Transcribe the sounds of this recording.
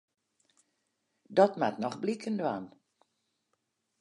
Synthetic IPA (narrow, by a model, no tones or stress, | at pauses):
dɔtmatnɔxblikʰəndəan